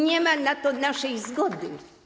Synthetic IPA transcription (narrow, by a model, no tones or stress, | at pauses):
ɲɛmanat̪ɔnaʂɛjzɡɔd̪ɘ